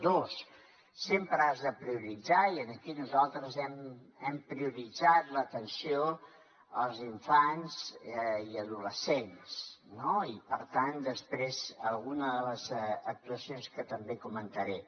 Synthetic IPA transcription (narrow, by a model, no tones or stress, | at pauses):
d̪osː | empɾəazðəpɾiuɾid͡zaiənəkinuzalˠt̪ɾəzɛm | ɛmpɾiuɾid͡zat̪lət̪ənsio | əlˠziɱfanziəðuləsensnoipəɾt̪and̪əspɾezəlˠɣunəðələzək̚t̪uəsionskət̪əmbekumənt̪əɾɛ